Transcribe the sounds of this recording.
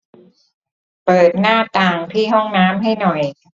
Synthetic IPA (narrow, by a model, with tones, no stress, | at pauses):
pɤː˨˩t̪̚naː˥˩t̪aː˨˩ŋt̪ʰiː˥˩ɦɔ˥˩ŋnaː˦˥mɦa˥˩jnɔ˨˩j